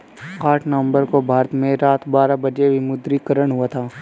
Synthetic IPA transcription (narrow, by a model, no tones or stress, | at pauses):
kaːʈnəəmbəɾkobʱaːɾət̪mẽɾaːt̪baːɾabɐd͡ʒebʱimʊd̪ɾikəɾəɽ̃ɦʊat̪ʰaː